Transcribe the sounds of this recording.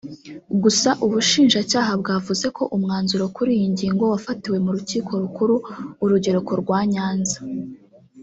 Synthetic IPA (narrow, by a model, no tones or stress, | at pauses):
ɡusaʔuβuʃiːnʒacaːɦabɡaːvuze̞kʰo̞ʔumŋaːnzuɾo̞kuɾijiɲɟiːŋɡo̞wafatiwe̞muɾuciːkʰo̞ɾukuɾuːɾuɟe̞ɾoko̞ɾɡwaːɲaːnzḁ